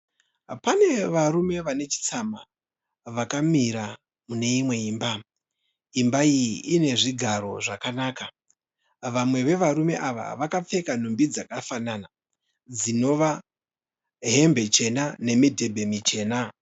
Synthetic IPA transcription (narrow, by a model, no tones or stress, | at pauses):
pane̞ʋaɾume̞ʋane̞t͡ʃi̥t͡sama | ʋakamiɾa | mune̞imwe̞iːmba | imbaiʔine̞ʐiɡʱaɾo̞̰ʐakanaːka | ʋamwe̞ʋe̞ʋaɾume̞ʔaʋa̰ʋakap͡fe̞kan̤umbid͡zakafanana | d͡zino̞ʋa | ɦe̞mbe̞t͡ʃe̞nane̞midʱe̞bʱe̞mit͡ʃe̞ːna